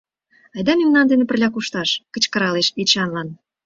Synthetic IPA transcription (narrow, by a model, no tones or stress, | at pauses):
ɑjd̪ɑmemnɑnd̪enĕpə̆rlʲɑkuʃt̪ɑʃkə̆t͡ɕkə̆ɾɑleʃet͡ɕɑnlɑn